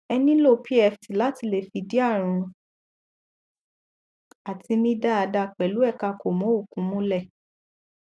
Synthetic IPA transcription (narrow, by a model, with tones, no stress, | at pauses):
ɛ˧nĩ˦lo˦˨pʰi˦ɛ˧˨fti˨la˦ti˧le˨fi˧di˦a˦˨ɾ̃ũ˧ | a˨ti˧mĩ˦da˦a˧da˧k͡pɛ˨lu˨˦ɛ˦˨ka˧ko˨mɔ̃˨˦o˦˨kũ˨˦mũ˦lɛ˦˨